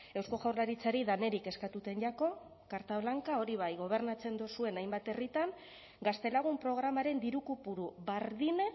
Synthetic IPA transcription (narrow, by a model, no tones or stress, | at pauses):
e̞wsko̞ʝawɾlaɾit͡saɾiðane̞ɾike̞skat̪ut̪e̞nʎako̞ | kaɾt̪aβlaŋkao̞ɾiβ̞ajɣo̞β̞e̞ɾnat͡se̞nd̪usue̞najmbat̪e̞rit̪aŋ | ɡast̪e̞laɣ̞umpɾo̞ɣ̞ɾamaɾe̞nd̪iɾukupuɾuβaɾðine